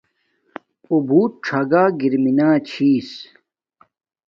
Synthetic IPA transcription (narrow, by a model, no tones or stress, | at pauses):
obʱuːt̪̚ʈ͡ʂʰaɡaːɡiɾminaːt͡ɕʰiːs